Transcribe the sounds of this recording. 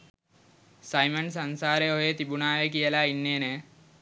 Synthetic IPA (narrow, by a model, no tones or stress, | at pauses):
sɐjməns̬ɐnsaːɾeojet̪ibunaːʋekijəlainːeːne